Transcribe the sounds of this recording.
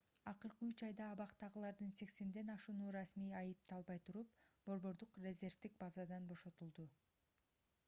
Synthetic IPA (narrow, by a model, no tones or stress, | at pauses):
ɑqɯɾqɯyt͡ʃɑjd̪ɑːβɑqt̪ɑʁɯlˠɑɾd̪ɯnse̞kse̞nd̪e̞nɑʃunuɾɑsmiːɑjɯp̚t̪ɑlˠbɑjt̪ʰuɾup̚b̥o̞ɾβo̞ɾd̪uqrʲe̞zʲe̞rvd̪ik̚bɑzɑd̪ɑnbo̞ʃo̞t̪ulˠd̪u